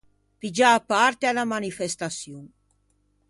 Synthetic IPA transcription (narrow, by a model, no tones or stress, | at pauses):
pid͡ʒaːpːaɾt̪ealamanifɛst̪asjun